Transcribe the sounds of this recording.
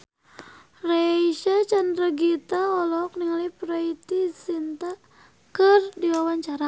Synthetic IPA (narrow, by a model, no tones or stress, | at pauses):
raiʃat͡ʃandɾəɡit̪aɔlɔk̚niŋalipɾait̪isint̪a | kərdiwawaɲt͡ʃaɾa